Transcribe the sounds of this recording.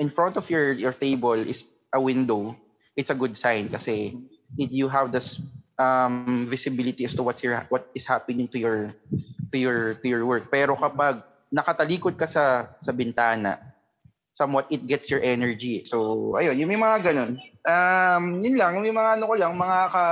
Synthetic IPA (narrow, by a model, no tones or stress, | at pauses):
ʔɪ̃nfɹɔnt̪ɔfjɔɹjɔɹt̪ejbɔlʔɪ̰s | ʔɐwɪ̃nd̪ow | ʔɪt̪sɐɡʊd̪̚sajnkɐsɛ | ɪt̪juɦɐvd̪ɪsʔɐmvɪsɪbɪlɪt̪iɐst̪ʊwɐt̪sjɔɹhwɔt̪̚ɪshapɪnɪ̃ŋt̪ʊjɔɹt̪ʊjɔɹt̪ʊjɔɹwɛɹk̚pɛːɾokɐpaɡ̚ | nɐkɐt̪ɐliːkod̪̚kɐsɐsɐbɪnt̪aːnɐ̰ | sɐmwɔt̪̚ɪt̪̚ɡɛt̪sjɔɹʔɛnɛɹd͡ʒisowʔɐ̰jonjʊŋmɐjmɐŋaɡɐno̞nʔamjʊnlaŋjmɐjmɐŋaʔɐnokolaŋmɐŋakɐ